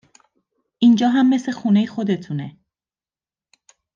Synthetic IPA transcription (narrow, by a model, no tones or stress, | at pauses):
ʔind͡ʒɒːɦæmːe̞sle̞xuːnejexo̞d̪e̞t̪ʰune̞